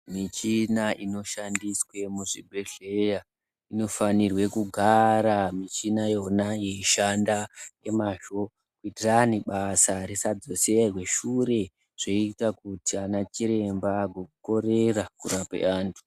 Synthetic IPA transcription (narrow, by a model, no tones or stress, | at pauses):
mit͡ʃinaʔino̞ʃandiswe̞muʐibʱeɮeja | ino̞fanirwe̞kuɡʱaɾamit͡ʃinajo̞naje̞iʃandaje̞maʒo̞ | kuitiraniɓasaɾesad͡zoserwe̞ʃure̞ | ʐ̥oitakutianat͡ʃiɾe̞mbaɡʱokuko̞ɾe̞rakurapḛaːntʰu̥